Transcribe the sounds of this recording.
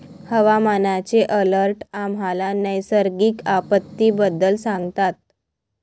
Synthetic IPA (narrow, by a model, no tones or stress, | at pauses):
həʋamanat͡seʔələɾʈam̤alanəjsəɾɡiːkapət̪ːiːbəd̪ːəlsãŋɡt̪at̪̚